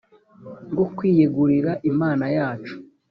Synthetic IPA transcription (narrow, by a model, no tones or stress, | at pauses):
ŋɡokwiːjeɡuɾiɾaʔimaːnajaːt͡ʃu̥